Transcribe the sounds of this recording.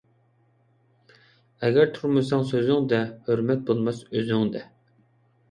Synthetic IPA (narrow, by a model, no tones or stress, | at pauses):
ɛɡʲæɾt̪ʰuɾmɨsɑŋsøzɪŋd̪ɛhøɾmɛt̪̚bolˠmɑsøzyŋd̪ɛ